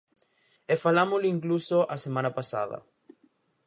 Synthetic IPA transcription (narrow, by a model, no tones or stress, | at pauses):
efalamoliŋklusoʔasemãnapasa̰ðɐ̰